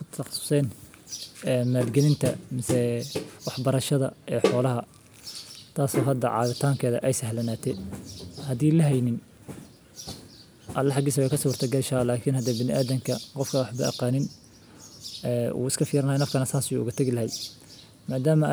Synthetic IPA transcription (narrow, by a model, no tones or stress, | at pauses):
kʰʊt̪ʰɑɑ̥sʊ̥sɛːn | ɛːmaːd̪ɡɐlɪnt̪ʰɐ̰mɪsɛwɑħbɐɾɐʃɐðɐ̰ʔɛːħɔːlɐɦɐ | t̪ʰaːsɔːɦɐd̪ɐ̰ʕɑ̰ːðɪt̪ʰaːŋkʰɛːðɐʔɛjsɐhlɐnaːt̪ʰɛ | hɐðiːlɐɦɛjnɪn | ʔɐlːɐħɑɡiːsɐwɛjkʰɐsɔːrt̪ʰɐɡɐʃaːlaːkʰinhɐd̪ɐbɪnɪʔaːðɐŋkʰɐqɔfkʰɐwɑħbɐɐ̰qɑːnɪn | ɛːṵːɪskʰɐfiːɾɐnajnɐfkʰɐnɐsaːsuʊ̰ɣɐt̪ʰɐɣɪlɐɦɛj | maːd̪aːmɐ